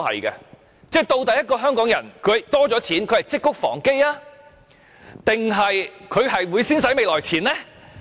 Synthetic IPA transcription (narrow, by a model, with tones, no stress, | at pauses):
hɐ̰˨jkɐ̰˧ | t͡sɛː˥˩t̪o˧wt̪ɐ˨jːɐ˥t̚kɔː˧ɦœː˥ŋkɔː˨˥ŋjɐ̰˨˩nkʰɵ˨˧ɥt̪ɔː˥t͡sɔː˨˥t͡sʰiː˨˥nkʰhɐ˨˩jt͡sɪ˥kːʊ˥k̚fɔ̰ː˨˩ŋke˥jaː˥ | t̪ɪ˨ŋɦɐ˨jkʰɵ˨˧ɥɦɐ˨jwuː˨˧jsiː˥nsɐ˨˥jme˨˧jlɔː˨˩jt͡sʰiː˨˩nlɛ˥